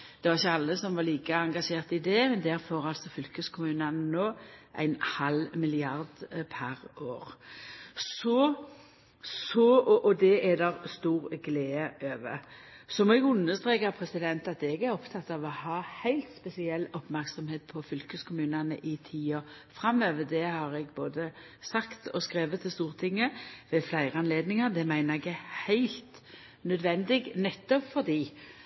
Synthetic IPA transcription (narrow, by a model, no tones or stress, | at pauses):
d̪̥ɛʋɑɾɪçːəɑlːəsɔmʋɑliːkəɑŋɡɑʂeːʁt̪ɪd̪ɛmɛnd̪æɾfɔʁɑlsɔfʏlkəskʰʊmʉːnɑnənoːʔæ̰ɪnhɑlmɪlɪɑʁd̪pʰæʁʔoːʁ | sɔ | sɔʔɔd̪ɛʔɛd̪ɛɾst̪uːʁɡleːəʔøːʋə̰sɔmɛɡʉnːəst̪ʁeːkəʁpʰɾɛsɪd̪ɛnt̪ɑt̪ɛɡæʁɔpt̪ʰɑt̪ːɑʋɔhɑːhæɪlt̪spɛsɪɛlːɔpmæʁksɔmheːt̪̚pʰɔfʏlkəskʰʊmʉːnɑnə̰ʔɪt̪ʰiːɔ | fʁɑmøːʋəd̪ɛhɑʁɛɡboːd̪ə | sɑkt̪ʰɔskʁeːʋət̪ʰːɪst̪uːʁt̪ʰɪŋːəʋɛflæɪʁəɑnleːd̪nɪŋəʁd̪ɛmæɪnəʁɛɡəhæɪlt̪ | nœd̪ʋɛnd̪ɪɡnɛt̪ːɔpfɔʁd̪iː